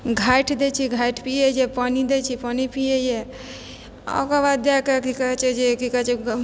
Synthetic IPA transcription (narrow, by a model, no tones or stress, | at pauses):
ɡʱajʈʰd̪et͡ʃʰiɡʱaiʈʰpijejepanid̪et͡ʃʰipanipijeje | ɔ̰kaʋad̪akekikat͡ʃed͡ʒekikat͡ʃi